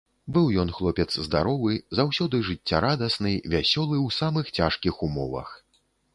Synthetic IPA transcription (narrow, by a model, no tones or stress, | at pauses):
bɨwjɔnxlˠɔpʲɛt̪szd̪aɾɔvɨzawsʲɔd̪ɨʐɨt͡sʲːaɾad̪ɐsnɨjvʲasʲɔlˠɨwsamɨxt͡sʲaʂkʲixumɔvɐ̰x